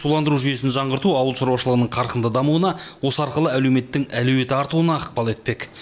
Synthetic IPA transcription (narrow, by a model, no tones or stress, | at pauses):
sulˠɑnd̪əɾuʒʏje̞sɪnʒɑɴʁəɾt̪uɑwəlˠʃɑɾwɑʃəlˠəʁənəɴqʰɑɾqənd̪əd̪ɑmuənɑwo̞səɑɾqəlˠəælewme̞t̪ːɪŋælɵwe̞t̪ɪɑɾt̪uwənɑəq̚pɑlˠe̞t̪̚pe̞k